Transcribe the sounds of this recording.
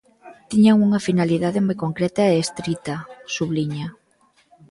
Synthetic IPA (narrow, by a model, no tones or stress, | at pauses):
t̪iɲaŋuŋɐfinaliðaðemojkoŋkɾɛt̪ɐeːst̪ɾit̪ɐsuβliɲɐ